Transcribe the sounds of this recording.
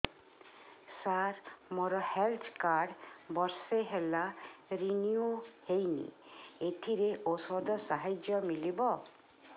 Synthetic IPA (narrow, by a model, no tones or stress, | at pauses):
saɾmoɾɔhelt̪ʰkaɾɖbɔɾseɦelaɾiniohejnḭet̪ʰiɾeʔosɔd̪ɔsaɦad͡ʒjɔmilibɔ